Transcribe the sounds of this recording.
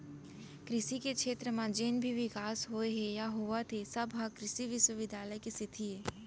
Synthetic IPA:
kɾɪʃikekʃeːt̪ɾəmãd͡ʒeːnbʱiʋɪkaːsɦoeɦejaɦoʋat̪ʰesɐbʱɦãkɾɪʃiʋɪʃwəʋɪd̪ʱaːləjkesɪt̪ʰiɦeː

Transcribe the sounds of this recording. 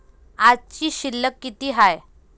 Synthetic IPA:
ad͡zt͡ɕiːɕilːəkːit̪iːɦaj

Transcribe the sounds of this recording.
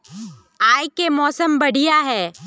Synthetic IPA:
aːjkemɔːsəmbəɽ̤ijaɦɛː

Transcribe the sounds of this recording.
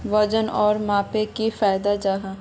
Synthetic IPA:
ʋəd͡ʒənɔːɾmãːpekifaːjd̪ad͡ʒaːɦa

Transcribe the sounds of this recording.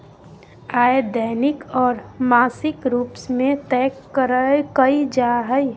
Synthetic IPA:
aːed̪əːnɪkɔːɾmaːsɪkɾuːpsmẽt̪ɛːkːəɾəkəid͡ʒaɦəi

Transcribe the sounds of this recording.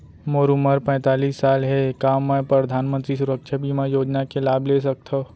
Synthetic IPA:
moːɾuməɾpɛ̃ːt̪aːliːsːaːlɦekaːmːɛ̃pɾəd̪ʱaːnmə̃nt̪ɾisʊɾəkʃʰabiːmajoːd͡ʒnakelaːbles̬ɐk̚t̪ʰa

